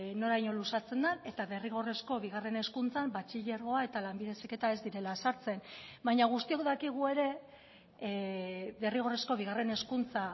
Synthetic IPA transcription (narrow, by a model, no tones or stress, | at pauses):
no̞ɾajɲo̞lusat͡se̞nd̪ane̞t̪aβe̞riɣ̞o̞re̞sko̞β̞iɣ̞are̞ne̞skunt͡sambat͡ʃiʎeɾɣo̞ae̞t̪alambiðe̞sike̞t̪ae̞zd̪iɾe̞lasaɾt͡se̞nbajɲaɣ̞ust̪io̞kðakiɣ̞ue̞ɾe̞ | ðe̞riɣ̞o̞re̞sko̞β̞iɣare̞ne̞skunt͡sa